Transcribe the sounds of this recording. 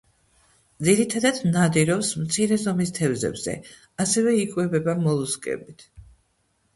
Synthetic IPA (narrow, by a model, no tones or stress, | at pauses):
d̪ziɾit̪ʰad̪ad̪nad̪iɾɔpsmt̪sʰiɾɛzɔmist̪ʰɛvzɛ̰bz̥ɛ̰ | asɛvɛikʼwɛbɛbamɔlˠuskʼɛ̰bit̪ʰ